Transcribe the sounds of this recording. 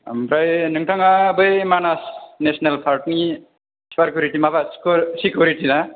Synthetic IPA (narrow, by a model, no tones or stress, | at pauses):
a̰mbɾajnɯŋʈʌŋabʌjmanasnesnalpʰaɾʈni | spaɾkjuɾiʈimabasksikjuɾiʈila